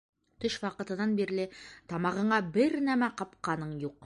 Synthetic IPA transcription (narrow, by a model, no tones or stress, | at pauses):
t̪ɵʃwɑqɤ̆t̪ɤ̆nɑnbiɾlɘt̪ɒmɑʁɤ̆ɴɑbɘɾnæmæqɒpqɑnɤɴjuq